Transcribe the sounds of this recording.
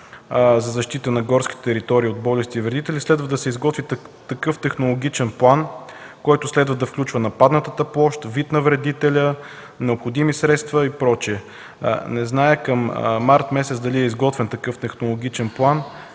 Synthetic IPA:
zɐzɐʃt̪it̪ənɐɡɔɾskʲi̥t̪t̪ɛɾit̪ɔɾiːod̪bɔlɛst̪iːvɾɛd̪it̪ɛlʲislɛd̪vəd̪ɐsɛizɡɔt̪vit̪ɐkɤft̪ɛxnolˠoɡ̟ʲit͡ʃɛnplˠan | kɔjt̪ʊslɛd̪vəd̪ɐfklʲut͡ʃvənɐpad̪nət̪ət̪ɐplˠɔʃt̪vit̪nɐvɾɛd̪it̪ɛlʲə | nɛopxod̪imisɾɛt̪st̪vəipɾɔt͡ʃɛ̰ | nɛznajəkɐm̰maɾt̪mɛsɛt̪sd̪ɐliɛizɡɔt̪vɛnt̪ɐkɤft̪ɛxnolˠoɡ̟ʲit͡ʃɛnplˠan

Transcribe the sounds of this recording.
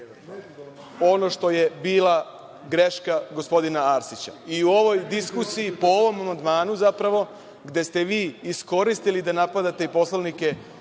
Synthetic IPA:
o̞no̞ʃt̪o̞jebiːlˠa | ɡɾe̞ʃkaɡo̞spo̞d̪inaaːɾsit͡ɕaiuo̞ʋo̞jd̪iskusijipo̞o̞ʋo̞mamand̪maːnuzapɾaʋo̞ | ɡd̪e̞st̪e̞ʋiːisko̞ɾist̪ilid̪anapad̪at̪e̞ipo̞slˠanike̞

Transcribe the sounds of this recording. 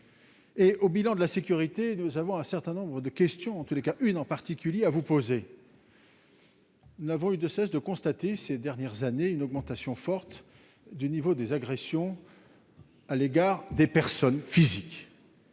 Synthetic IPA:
eʔobilɑ̃d̪əlasekʲyʁit̪enuzavɔ̃ɛ̃sɛʁt̪ɛ̃nɔ̃bʁəd̪əkʲɛst̪jɔ̃ɑ̃t̪ulekaʔynɑ̃paʁt̪ikʲyljeavupoze | nuzavɔ̃yd̪əsɛsd̪əkɔ̃st̪at̪esed̪ɛʁnjɛʁzaneynɔɡmɑ̃t̪asjɔ̃fɔʁt̪ | d̪ynivod̪ezaɡʁesjɔ̃ | aleɡaʁd̪epɛʁsɔnfizik

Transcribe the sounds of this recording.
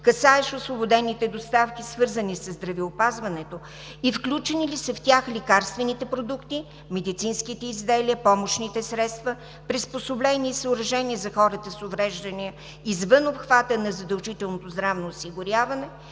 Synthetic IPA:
kɐsaɛʃosvobod̪ɛnːit̪ɛd̪ost̪afkʲisvɤɾzənisəzd̪ɾɐvɛopazvɐnɛt̪o | ifklʲut͡ʃɛnilisəft̪ʲaxlikaɾst̪vɛnit̪ɛpɾod̪ukt̪i | mɛd̪it̪sinskit̪ɛizd̪ɛliəpɔmoʃnit̪ɛsɾɛt̪st̪və | pɾisposoblɛniːsəʊɾɐʒɛniəzɐxɔɾət̪əsovɾɛʒd̪ɐniə | izvənopxvat̪ənɐzɐd̪ɐlˠʒit̪ɛlˠnot̪ozd̪ɾavnoːsiɡʊɾʲjavɐnɛ

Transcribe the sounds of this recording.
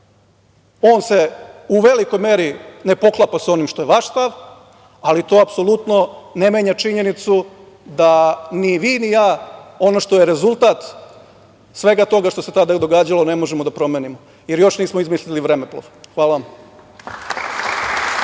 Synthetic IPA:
o̞ːnseuʋe̞liko̞jme̞ːɾine̞po̞klˠapaso̞nimʃt̪o̞jeʋaʃst̪aʋ | alit̪o̞ːapso̞lˠut̪no̞ne̞meːɲat͡ʃiɲe̞nit̪su | d̪aniʋiːnijaːo̞no̞ʃt̪o̞jeɾe̞zulˠt̪at̪ | sʋe̞ɡat̪o̞ɡaʃt̪o̞se̞t̪ad̪ad̪o̞ɡaːd͡ʑalo̞ne̞mo̞ʒemod̪apɾo̞meːnimo | je̞ɾjo̞ʃniːsmoizmisliliʋɾe̞meplo̰ʋxʋaːlaʋam

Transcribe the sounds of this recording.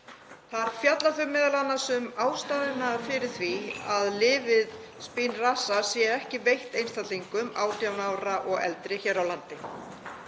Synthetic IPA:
θaɾ̥fjat̪laθœmːɪːðalanːasʏmaːwst̪aːðɪnafɪɾɪɾ̥θviaðlɪːvɪð | spinrasasjɛɛhcɪvejht̪ejnst̪at̪liŋkʏmaːwt̪jawnawɾaʔɔɣɛ̰lt̪ɾɪçɛːɾawlant̪ɪ

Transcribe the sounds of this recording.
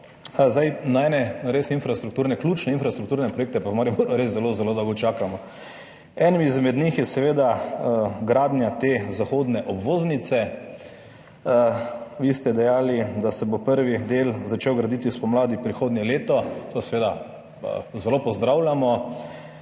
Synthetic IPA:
zd̪ajnaɛːnɛnɾesinfɾast̪ɾukt̪uːɾnɛklʲuːt͡ʃnɛinfɾast̪ɾukt̪uːɾnɛpɾɔjeːk̚t̪ɛpamaːɾjimoɾɾeszːɛlozɛlod̪ɔwɡɔt͡ʃaːkamɔ | ɛnimiizmɛd̪nixjɛsɛʋeːd̪a | ɡɾaːd̪njat̪ezaxoːd̪nɛʔɔbʋoːznit̪sɛ | ʋiːst̪ɛd̪ɛjaːlid̪asɛbopəɾʋid̪eːlzat͡ʃewɡɾad̪it̪ispɔmlaːd̪ipɾixoːd̪nʲjɛleːt̪ɔt̪osɛʋeːd̪a̰ | zɛlopɔzd̪ɾawlʲamɔ

